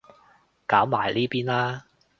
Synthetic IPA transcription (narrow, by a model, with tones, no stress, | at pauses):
kaː˨˥wmaː˨˩jliː˥piː˥nlaː˥